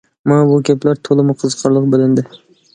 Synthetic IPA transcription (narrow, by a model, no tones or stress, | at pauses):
manabʊɡʲaplaɾt̪ʰolˠɪmɪqʰɨzqʰɑɾlˠɨq̚bɪlɪnd̪ɪ